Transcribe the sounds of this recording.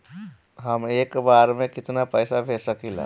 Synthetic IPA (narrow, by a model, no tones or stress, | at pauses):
ɦəmekbaɾmekit̪napəjsabʱesəkila̰